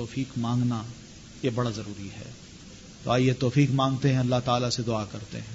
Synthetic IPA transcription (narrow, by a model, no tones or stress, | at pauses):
ɔːfiːkmãːŋɡna | jebɐɽazɐɾuːɾiɦɛ̰ː | t̪o̰aːjet̪ɔːfiːkmãːŋɡ̚t̪eɦɛ̃ɐlːaɦt̪aːlased̪ʊakɐɾt̪ḛɦɛ̃ː